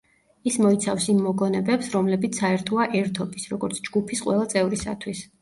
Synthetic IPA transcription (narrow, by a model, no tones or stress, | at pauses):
ismɔit̪sʰafsimːɔɡɔnɛbɛpsɾɔmlɛbit̪sʰaɛɾt̪ʰɔaʔɛɾt̪ʰɔbisɾɔɡɔɾt̪sʰd͡ʒɡupʰisqʼwɛ̰lˠat̪sʼɛvɾisa̰t̪ʰwis